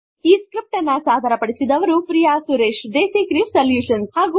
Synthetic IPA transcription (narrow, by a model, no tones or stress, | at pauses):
iːskɾip̚ʈɐnːɐsaːd̪ʱɐɾɐpɐɽisid̪ɐʋɐɾupɾijaːsuɾeːʃd̪eːsiːkɾiʋsɐljuːʂɐnshaːɡu